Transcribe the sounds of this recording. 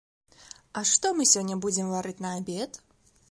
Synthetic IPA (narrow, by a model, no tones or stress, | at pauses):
ɐʂt̪ɔmɨsʲɔnʲːɐbud͡zʲɛmvaɾɨt͡sʲnɐabʲɛt̪